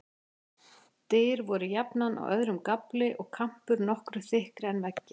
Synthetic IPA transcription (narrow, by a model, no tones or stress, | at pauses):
t̪eːɾvɔɾʏjapnanʔa̰wœ̰ðɾʏmkaplɪʔɔɣkʰam̥pʏɾnɔhkɾʏθɪhkɾɛnvɛcːɪ